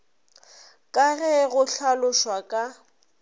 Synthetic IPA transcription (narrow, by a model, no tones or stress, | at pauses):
kʼaɣɛɣʊɬalʊʃwakʼa